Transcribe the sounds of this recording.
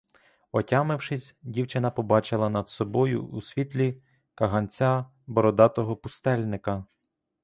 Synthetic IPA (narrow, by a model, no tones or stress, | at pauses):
ɔtʲɑmɪwʃɪsʲdʲiwt͡ʃɪnɐpɔbɑt͡ʃɪlˠɐnɐd̪sɔbɔjʊ̰usʲʋʲit̪ʲlʲi | kɐɦɐnʲt͡sʲa | bɔɾɔd̪ɑt̪ɔɦɔpʊst̪ɛlʲnɪkɐ